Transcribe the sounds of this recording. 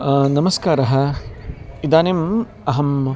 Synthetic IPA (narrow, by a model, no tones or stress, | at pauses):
nɐmɐskaːɾɐɦɐ̆ | id̪aːnem | ɐɦɐm